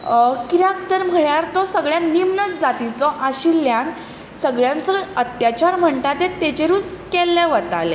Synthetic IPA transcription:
kiɾak̚t̪əɾm̤əɭjaɾt̪ɔsəɡɭjãnimnət͡sd͡zat̪it͡sɔʔaɕiljan | səɡɭjant͡səət̪jat͡ɕaɾm̤əɳʈ̪at̪ẽt̪et͡ɕeɾut͡skɛlːɛʋət̪ale

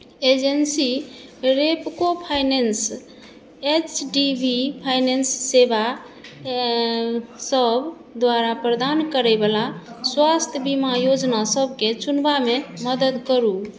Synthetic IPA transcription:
ed͡ʒensiɾepkopʰajnens | et͡ʃɖibʱipʰajnensːeba | səbʱ | d̪waɾapɾəd̪ankəɾɛbalaswast̪ʰjəbimajod͡ʒnasəbʱket͡ʃunbameməd̪əd̪kəɾu

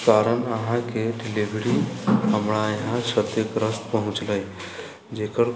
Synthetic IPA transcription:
t̪aɾənaɦãkeʈiliʋɽiːamɭajɦãɕəd̪ekɾəst̪pəɦũt͡sləj | d͡ʑekəɽ

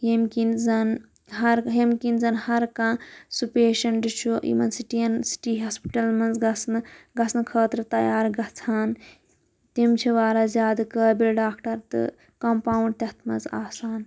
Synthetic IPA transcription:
jemkinzɐn | ɦɐɾɦemkinzɐnhɐɾkãːsupeːʃɐnɖɨt͡ʃʰuʔḭmɐnsiʈiɐnsi̥ʈiːɦɐːspi̥ʈɐlmɐnzɐsnɡɐsʰnkʰəːt̪ɾɨt̪ɐjaːɾɡɐt͡sʰaːn | t̪imt͡ʃʰiʋaːɾazʲjaːd̪kəːbilɖaːkʈɐɾt̪ɨ̰ | kɐmpaːuɳɖ̚t̪ɐt̪ʰmɐnzaːsaːn

